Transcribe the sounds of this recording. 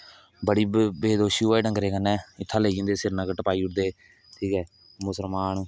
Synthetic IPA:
bəɽiːbeːd̪oːʃiːʋaːiːɖə̃ŋɡɾeːkənːɛːɪt̪ʰːãːleːd͡ʒə̃nd̪eːsɪɾnəɡəʈəpaːiːʊʈd̪eː | ʈ̪ʰiːkɛː | mʊsəlmaːnː

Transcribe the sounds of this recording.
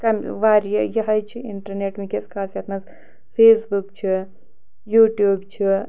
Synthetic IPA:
kɐmʋaːɾjɐjɐɦɐjt͡ʃʰiiɳʈɐɾneʈmĩkʲeskʰaːsɐt̪mɐs | pʰeːsbukt͡ʃʰi | juːʈjuːbt͡ʃʰi

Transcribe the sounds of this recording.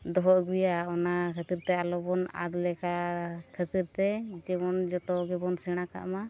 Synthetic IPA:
d̪ɔɦɔʔɡujaɔnakʰət̪iɾt̪ɛalɔbɔna̰d̪lɛkakʰət̪iɾt̪ɛd͡ʒɛbɔnd͡ʒɔt̪ɔɡɛbɔnsɛɽ̃aka̰ʔma

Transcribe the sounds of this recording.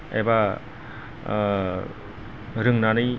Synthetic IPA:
eba | ɾɯŋnanɯj

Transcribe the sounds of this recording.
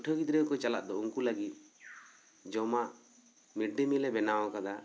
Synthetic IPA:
ʈʰɔɡit̪ɾɛkɔjt͡ʃala̰ʔd̪ɔuŋkulaɡit̪̚ | d͡ʒɔmaʔ | miɖɛmilɛbɛnawakad̪a

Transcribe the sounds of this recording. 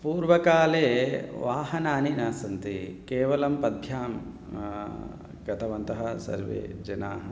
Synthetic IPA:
puːɾʋɐkaːleːʋaːɦɐnaːninaːsɐnt̪ikeːʋɐlɐmpɐd̪ʱjaːm | ɡɐt̪ʰɐʋɐnt̪ɐɦɐsɐ̰ɾʋḛːd͡ʒɐnaːɦɐ

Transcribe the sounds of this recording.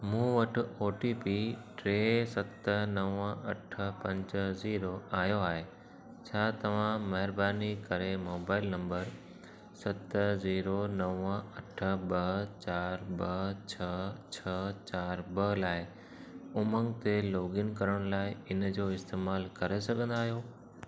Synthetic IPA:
mũːʋɐʈʰɪ̆oːʈipiʈɾeːsɐt̪nɐʋə̃ɐʈʰə̆pɐ̃ɲd͡ʑ̆ziːɾoaːjoaːɦeː | t͡ɕʰaːt̪ɐʋ̤ãmɐɦɪɾbaːnikɐɾemoːbaːɪlnɐ̃mbəɾ | sɐt̪ziːɾonɐʋə̃ɐʈʰə̆bɐt͡ɕaːɾbɐɦt͡ɕʰɐt͡ɕʰɐt͡ɕaːɾbɐlaːɪ | ʊmənt̪eloːɡɪnkɐɾəɽ̃laːɪɪn̆d͡ʑoːɪst̪eːmaːlkɐɾesɐɡʱə̃n̆d̪aːɦijoː

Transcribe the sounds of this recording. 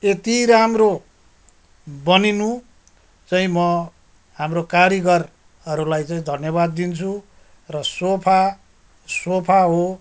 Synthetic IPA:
et̪iɾamro | bʌninu | t͡saĩmʌ | hamrokaɾjiɡʌr | ʌɾulajt͡saĩd̪ʱʌnjʌβad̪̚ːint͡sʰu | rʌsopʰa | sopʰaɦo

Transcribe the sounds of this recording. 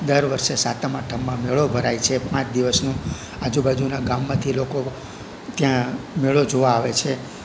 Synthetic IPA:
d̪əɾʋəɾʃesat̪amãʈʰəmːãmeɭobʱəɾajt͡ʃʰepãt͡ʃd̪iʋəsnũ | ad͡ʒubad͡ʒunaɡamːãt̪ʰiloko | t̪jãmeɭod͡ʒoʋaːʋet͡ʃʰe

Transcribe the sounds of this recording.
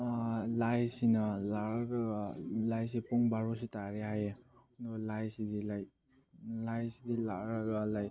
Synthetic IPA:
lajsinalaɾɡ | lajs̬ipuŋbaɾositaɾiaje | nolajsid̪ilaj | lajsidilaɾɡalaj

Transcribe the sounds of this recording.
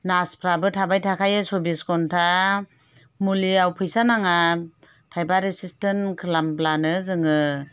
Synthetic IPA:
naspʰɾabɯtʰabajtʰakʰajɯsɔbiskɔntʰa | muliawpʰɯjsanaŋa | tʰajbaɾesistenkʰɯlamblanɯzɯŋɯ

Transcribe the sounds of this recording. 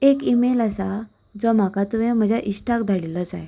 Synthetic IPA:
ekimelasa | d͡zɔm̤akat̪uʋjɛ̃m̤əd͡ʑʱjaʔisʈakd̪ʱaɽilɔd͡za̰j

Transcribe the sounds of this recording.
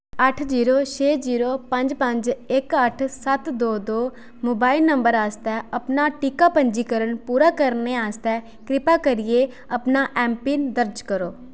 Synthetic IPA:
əʈʰziːɾoːt͡ʃʰeːd͡ʒiːɾoːpə̃ɲd͡ʒpə̃ɲd͡ʒɪkəʈʰsət̪d̪oːd̪oː | moːbaːɪlnə̃mbəɾaːst̪ɛːəpnaːʈikaːpə̃ɲd͡ʒiːkəɾəɳpuːɾaːkəɾneaːst̪ɛː | kɾɪpaːkəɾɪje | əpnaːʔɛːmpiːnd̪əɾd͡ʒkəɾoː

